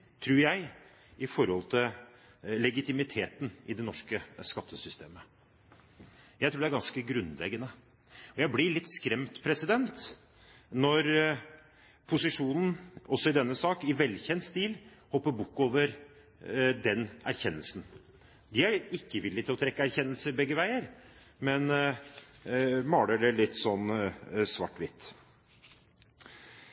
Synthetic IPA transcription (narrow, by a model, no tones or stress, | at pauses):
t̪ʰɾuːɾjæɪ | ɪfɔɾhɔlt̪ʰɪl | lɛɡɪt̪ɪmɪt̪ʰeːt̪n̩ɪd̪ɛnɔʂkəskɑt̪ʰːəsʏst̪ʰeːmə | jæɪt̪ʰuːɖ̪dæɾɡɑnskəɡɾʉnːlɛ̰ɡːənə | ɔjæɪblɪɾɭɪt̪ːskɾɛmt̪pʰɾɛsɪd̪ɛnt̪ | nɔɾ | pʰʊsɪʂuːnn̩ɔsːɔɪd̪ɛnːəsɑːkɪʋɛlçɛnst̪iːlhɔpːəɾbʊkːoːʋəɾ | d̪ɛnæɾçɛnːəlsn̩ | d̪ɪæɾɪkːəʋɪlːɪt̪ʰɪlɔt̪ʰɾɛkːəæɾçɛnːəlsəɾbɛɡːəʋæɪəɾ | mɛn | mɑːɖələlɪt̪ːsɔnsʋɑʈːʋɪt̪